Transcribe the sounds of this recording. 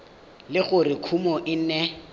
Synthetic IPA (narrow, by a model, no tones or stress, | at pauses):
lɪχʊrɪkʰumɔʔɪn̩nɛ